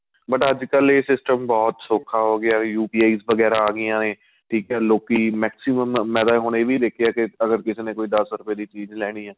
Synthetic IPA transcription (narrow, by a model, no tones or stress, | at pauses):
bəʈəd͡ʒkəleːsɪsʈəmbɔːt̪soːkʰaːɦoːɡɪaːjuːpiːaːiːsʋəɡɛːɾaːaːɡɪjãːneː | ʈʰiːkɛːloːkiːmɛːksɪməmːɛːd̪aːɦoːɽeːʋiːd̪eːkʰejaːkɪəɡəɾkɪseːnẽːkoːiːd̪əsɾʊpjeːd̪iːt͡ʃiːzlɛːɽ̃iːɛː